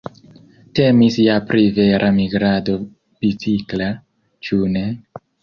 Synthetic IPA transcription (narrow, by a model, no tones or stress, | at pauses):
te̞misjapɾive̞ɾʔamiɡɾado̞ | bit͡sikla | t͡ʃune̞